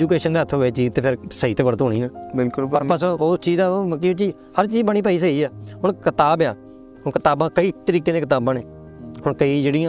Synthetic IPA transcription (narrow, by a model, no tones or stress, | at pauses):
d͡ʒuːkeːʃənd̪eːət̪ʰːɦoeːt͡ʃiːzt̪eːpʰɪɾsəiːt̪eːʋəɾət̪ɦoːɽiːnãːbɪlkʊlpəsoːst͡ʃiːzaːkɪt͡ʃiː | həɾt͡ʃiːzbəɳ̃iːpaːiːs̬əiːaːɦʊɳkɪt̪aːbjaː | hʊnkɪt̪aːbãːkəiːt̪əɾiːkẽːd̪eːkɪt̪aːbãːneː | hʊɳkəiːd͡ʒeːɽĩːãː